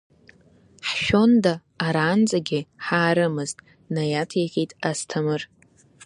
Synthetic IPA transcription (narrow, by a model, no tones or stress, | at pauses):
ħʃᶣo̞ndaː | ɾaːnd͡zʼaɡʲɪħaːɾɨmɨztʼ | najatʰeʁʲitʼastʰɨmɨr